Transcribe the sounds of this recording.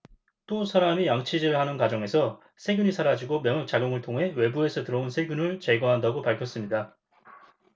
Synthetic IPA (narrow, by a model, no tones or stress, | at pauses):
t͈osʰaɾamijaŋt͡ɕʰid͡ʑiɾɯɭhanɯnkwad͡ʑʌŋe̞sʰʌ | sʰe̞ɡjuɲisʰaɾad͡ʑiɡomjʌŋʌk̚t͡ɕ͈aɡjoŋɯɭtʰoŋɦe̞we̞bue̞sʰʌtɯɾʌonsʰe̞ɡjunɯɭt͡ɕe̞ɡwʌɦandaɡopaɭkʰjʌs͈ɯmɲida